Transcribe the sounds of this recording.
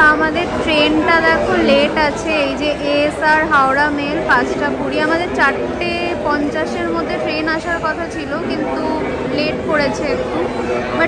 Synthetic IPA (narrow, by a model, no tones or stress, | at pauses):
amad̪eɾʈɾenʈad̪ɛkʰonleʈat͡ɕʰeejd͡ʑeʔeesaɾɦaoɾamelpãt͡ɕʈapuɽiamad̪eɾt͡ɕaʈː | e | pɔnt͡ɕaʃeɾmod̪ʱːeʈɾenaʃaɾkɔt̪ʰat͡ɕʰilokint̪u | leʈkoɽet͡ɕʰe | ba